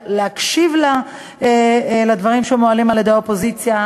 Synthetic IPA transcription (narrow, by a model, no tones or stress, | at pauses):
leakʃivla | lad̪vaʁimʃemoalimaljed̪ejaopo̞zit͡sja